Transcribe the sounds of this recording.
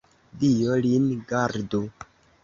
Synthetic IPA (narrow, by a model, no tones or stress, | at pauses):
dijolinɡaɾdo